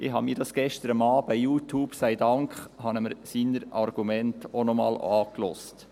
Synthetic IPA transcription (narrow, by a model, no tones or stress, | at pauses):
ʔɪɦɑmiːɾd̥ɑsɡ̥ɛʃtəɾəmɑːbajuːtʰuːb̥sæɪdɑŋkχhɑnəməɾsiːnəɾɑɾɡ̥umɛntonɔmɑ̰ːlɑːklɔ̰st